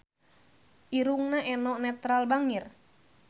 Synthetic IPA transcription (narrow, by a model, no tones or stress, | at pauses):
ʔiɾuŋnaʔɛnɔʔnɛt̪ɾalbaŋir